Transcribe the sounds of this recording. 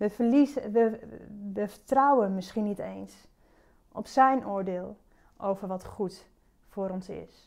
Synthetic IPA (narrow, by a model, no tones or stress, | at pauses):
əiəʋəfətrawənmɪsχinitejns | ʔɔ̰psɛjnoːɹdeːlˠ | ʔowvəɹʋɔtχut | fʊːɾɔnsɪ̰s